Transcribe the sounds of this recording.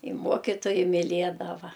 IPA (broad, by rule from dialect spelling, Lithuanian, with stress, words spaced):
ɪ ˈmuɔkʲɪtoːjɛɪ mʲɪˈlʲiɛdɐʋɐ